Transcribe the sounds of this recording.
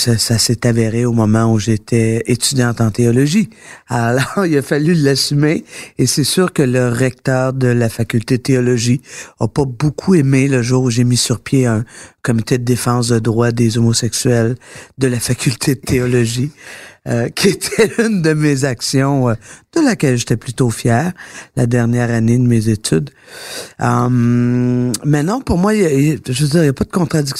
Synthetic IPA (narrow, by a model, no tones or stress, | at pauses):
sasasɛt̪aveʁeomɔmɑ̃uʒet̪ʰɛet̪yd͡zʲjɑ̃t̪ɑ̃t̪eɔlɔʒialɔːʁilafalylasymeesɛsyːʁkələʁɛk̚t̪œːʁd̪əlafakʲylt̪ed̪ət̪eɔlɔʒiapabokʰuemeləʒuːʁuʒemisyʁpjeɛ̃kɔmit̪ed̪əd̪efɑ̃ːs̬d̪əd̪ʁwad̪ezomɔsɛksyɛld̪əlafakʲylt̪ʰed̪ət̪ʰeɔlɔʒiəkʲʰiet̪ʰɛynd̪əmezaksjɔ̃d̪̥əlakʲɛlʒet̪ɛplyt̪ofjɛːʁla̰d̪ɛʁnjɛːʁaned̪əmezet̪yd̪ | əm | mɛnɔ̃pʊʁmwaʒød͡ziːʁjapad̪əkɔ̃t̪ʁad̪ik